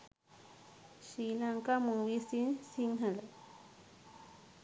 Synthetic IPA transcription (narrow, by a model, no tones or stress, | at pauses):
ɕilaŋkamuwisinsiŋɦala